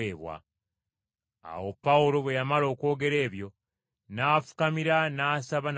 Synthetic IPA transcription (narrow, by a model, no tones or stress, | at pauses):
eːβwa̰ | a̰wopːaulo̞βwe̞jamalo̞ːko̞ːɡe̞ɾe̞ːβjo̞ | naːfu̥kamiɾanaːsaβan